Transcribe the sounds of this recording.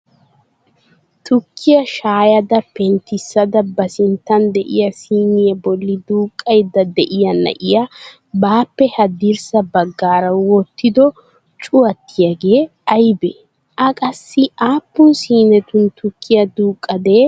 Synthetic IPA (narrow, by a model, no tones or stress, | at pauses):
t̪ʊkʰːɪjɐʃaːjɐd̪ɐpɛnt̪ɪsːɐd̪ɐbɐsɪnt̪ːɐnd̪ɛʔɪ̰jɐsiːnɪjɐbɔlːɪd̪uːkʼːɐjd̪ɐd̪ɛʔɪjɐnɐ̰ʔɪjɐ | baːpːɛhɐd̪iɾsɐbɐɡːaːɾɐwɔt̪ːɪd̪ɔ | t͡ʃʼʊwɐt̪ːɪjɐɡeː | ɐjbɛ | ʔɐkʼɐsːɪʔaːpːʊnsiːnɛt̪ʊnt̪ʊkʰːɪjɐd̪uːkʼːɐd̪eː